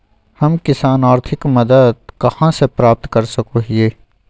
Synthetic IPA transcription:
hɐmkɪsaːnaːɾt̪ʰɪkmɐd̪əd̪̚kɐhãsepɾaːp̚t̪kɐɾsɐkoːɦieː

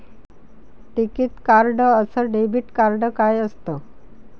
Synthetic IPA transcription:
ʈ̪ikit̪kaɾɖəəsəɖebʱiʈkaɾɖəkajəst̪ə

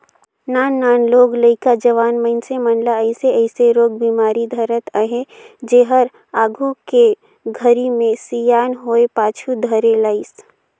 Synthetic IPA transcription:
naːnːaːnloːɡləɪkad͡ʒəʋaːnməɪnsemənlaəɪseəɪseɾoːɡ̚biːmaːɾid̪ʱəɾət̪əɦed͡ʒeːɦəɾ | aːɡʱuke | ɡʱəɾimẽsijaːnɦoːepaːt͡ʃʰud̪ʱəɾelaːɪs

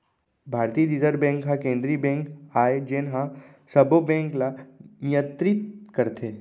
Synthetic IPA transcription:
bʱaːɾt̪iːɾid͡ʒəɾbɛ̃ːŋkɦãkẽːnd̪ɾiːbɛ̃ːŋkaːed͡ʒeːnɦã | sɐbobɛ̃ːŋklanɪjə̃nt̪ɾɪt̪kəɾt̪ʰeː

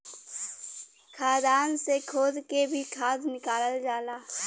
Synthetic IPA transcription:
kʰaːd̪aːnsekʰoːd̪kebʱikʰaːd̪nɪkaːləld͡ʒaːlaː

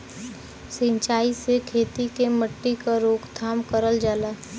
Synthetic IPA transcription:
sɪ̃ɲt͡ʃaːisekʰeːt̪ikeməʈːikaɾoːkd̪ʰʱaːmkəɾəld͡ʒaːlaː

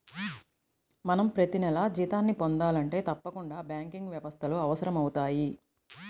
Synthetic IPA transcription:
mɐnɐmpɾɐt̪inɛlɐd͡ʒiːt̪aːnːipo̞nd̪aːlɐɳʈe̞ːt̪ɐpːɐkuɳɖaːbjaːŋkiŋɡʋjɛʋɐst̪ʰɐluɐʋɐsɐɾɐmɐwut̪aːji

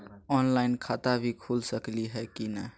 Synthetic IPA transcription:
ɔːnlaːɪnkʰaːt̪abʱikʰuːlsəkliɦɛkinɛ

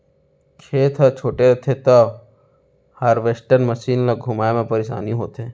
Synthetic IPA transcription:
kʰeːt̪ʰət͡ʃʰoːʈeɾɐt̪ʰet̪ɐ | haɾʋesʈəɾnməʃiːnlaɡʱʊmaːemẽpəɾeʃa̰ːnĩɦoːt̪ɦeː

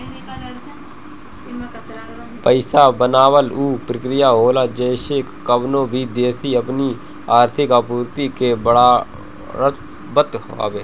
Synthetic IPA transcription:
pəɪsabənaːwəluːpɾəkɾɪjaːɦoːlad͡ʒəɪʃekːəbnõːbʱiːd̪eːsiəpni | aːɾt̪ʰɪkapuːɾt̪ikebəɽa | ɾət̪ | bət̪ɦa̰ːbeː

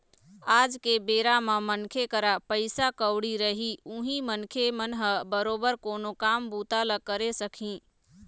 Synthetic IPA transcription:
ad͡ʒkebeɾamemənkʰekəɾapəɪsakəwɽiɾəɦiuɦĩmənkʰemənɦəbəɾobəɾkoːnokambut̪aləkəɾesəkʰĩ

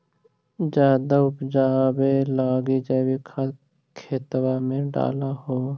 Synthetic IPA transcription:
d͡ʒjaːd̪aʊpd͡ʒaːbelaːɡid͡ʒaːbikʰa | kʰeːt̪wamẽɖa̰ːlahoː

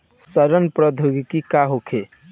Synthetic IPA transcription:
səɾənpɾəd̪ʱuɡkikaɦokʰe

